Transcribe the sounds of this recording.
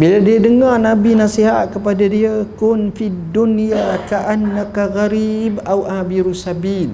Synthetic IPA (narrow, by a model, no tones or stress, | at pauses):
biladiadəŋarnabinasiɦat̪̚kəpadadiakʊnfidunjakaʔanːakaɣaɾibʔawʔamiɾusabil